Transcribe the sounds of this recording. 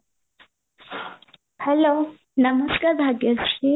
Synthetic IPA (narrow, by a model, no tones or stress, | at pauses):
hɛlo | nɐmɐskaɾbʱaɡɐʂi